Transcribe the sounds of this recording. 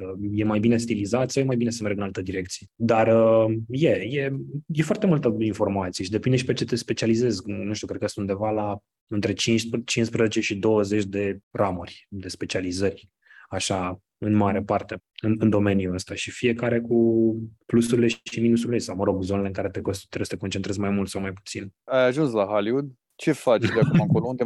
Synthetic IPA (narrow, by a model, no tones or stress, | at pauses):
əje̞majbine̞s̬t̪ilizat̪sawjemajbine̞s̬əmerɡɨnalt̪əd̪iɾe̞k̚t̪sijed̪arəje̞je̞jefoart̪e̞mult̪əinfo̞rmat̪sijeʃid̪epind̪eʃi̥pet͡ʃe̞t̪e̞spe̞t͡ʃialize̞znuʃt̪ukɾekəst̪und̪e̞vala | ɨnt̪ɾe̞t͡ʃint͡ʃinspɾəzet͡ʃe̞ʃid̪o̞wəze̞t͡ʃʲd̪e̞ramurʲd̪e̞spe̞t͡ʃializəɾʲ | aʃa | ɨnmaɾepart̪e̞ɨnɨnd̪o̞me̞njuəst̪aʃifie̞kaɾe̞kuplusuɾile̞ʃiminusuɾilesawməɾo̞ɡzo̞nele̞ɨŋkaɾe̞t̪eko̞st̪ut̪ːɾesə̥t̪eko̞nt͡ʃent̪ɾezmajmult̪sawmajpu̥t̪sinajaʒunslaɦaliud̪ | t͡ʃe̞fat͡ʃd̪eakumakolound̪e